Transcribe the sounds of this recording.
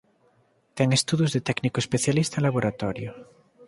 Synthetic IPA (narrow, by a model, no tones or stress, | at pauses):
t̪ɛŋest̪uðjuzðet̪ɛknikoespeθjalist̪aẽlaβ̞oɾat̪ɔɾjo